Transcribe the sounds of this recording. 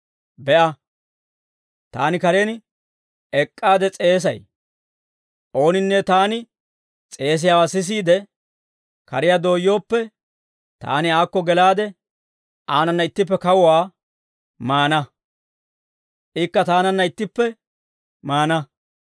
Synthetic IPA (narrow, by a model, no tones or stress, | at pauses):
bɛʔɐ | t̪a̰ːnɪkɐɾen | ɛkʼːaːd̪ɛt͡sʼe̞ːs̬ɐj | ʔo̞ːnɪnːɛt̪aːnɪ | t͡sʼe̞ːs̬ɪjaːwaːsɪs̬iːd̪ɛ | kɐ̰ɾɪjad̪o̞ːjːo̞ːpːɛ | t̪a̰ːnɪaːkːɔɡɛlaːd̪ɛ | ʔaːnɐnːɐɪt̪ːɪp̬ːɛkɐwʊwaː | maːnɐ | ʔɪkːɐt̪aːnɐnːɐɪt̪ːɪpːɛ | maːnɐ